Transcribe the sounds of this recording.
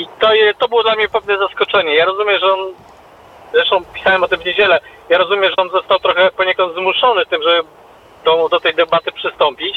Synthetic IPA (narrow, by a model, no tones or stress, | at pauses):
it̪ɔjɛt̪ɔbɘwɔd̪lamɲɛpɛvnɛzaskɔt͡ʂɛɲɛjaɾɔzumʲɛʐɛɔn | zɾɛʂt̪ɔ̃w̃pʲisawɛmɔt̪ɘmvɲed͡ʑɛlɛjaɾɔzumʲɛʐɛɔnzɔst̪awt̪ɾɔxɛpɔɲekɔnd̪zmuʂɔnɘt̪ɘmʐɛbɘ | d̪ɔmud̪ɔt̪ɛjd̪ɛbat̪ɘpʂɘst̪ɔmpʲit͡ɕ